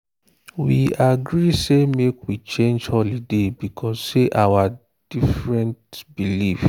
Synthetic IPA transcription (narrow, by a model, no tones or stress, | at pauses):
wiaɡɾisemekwit͡ʃẽnd͡ʒɔlidebikʰɔsseʔawa | d̥ifɹɛ̃ntbilif